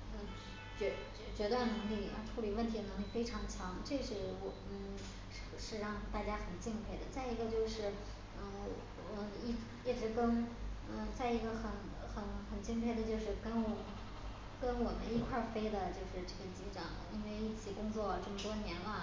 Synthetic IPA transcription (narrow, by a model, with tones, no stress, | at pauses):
ə˥˧˩t͡ɕɥɛ˧˥˧ | t͡ɕɥɛ˧˥t̪wa˥˩nnɤ˧˥ŋlḭ˥˩˧ʈ͡ʂʰu˧˥li˨˩wə˥˩nt̪ʰi˧˥ə˧nɤ˧˥ŋli˧˥˩fe˥ɪʈ͡ʂʰɑ˧˥ŋt͡ɕʰjɑ˧˥ŋʈ͡ʂe˥˩ʂɻ̩˥˩wɔ˨˩n̩˥˩ | ʂ̩˥˩ʂɻ̩˥˧ɻɑ˥˧ŋt̪a˥˩t͡ɕja˥xə˨˩nt͡ɕi˥˧ŋpʰe˥˩ɪd̪ə˩t͡sa˥˩ɪi˧˥ɡə˧t͡ɕjo˥˧ʊʂɻ̩˥˩ | ə˥˩˧ | i˥˩˥jɛ˨˩ʈ͡ʂɻ̩˧˥kə˥nə˥˧t͡sa˥˩ɪi˧˥ɡə˧xə˧˩n | xə˧˩nxə˨˩nt͡ɕi˥˧ŋpʰe˥˩ɪd̪ə˩t͡ɕjo˥˧ʊʂɻ̩˥˧kə˥nwɔ˨˩ | kə˥nwɔ˨˩mə̰˦ni˥˧kʰwa˥˩fe˥ɪd̪ə˨t͡ɕjo˥˧ʊʂɻ̩˥˧ʈ͡ʂɤ˥˩ɡə˩t͡ɕi˧˥ʈ͡ʂɑ˨˩ŋlə̰˧˦i˥nwe˥˧ɪi˥˩t͡ɕʰi˨˩kʊ˥ŋt͡swɔ˥˩ʈ͡ʂɤ˥˩mə˩t̪wɔ˥njɛ˧˥nlə˧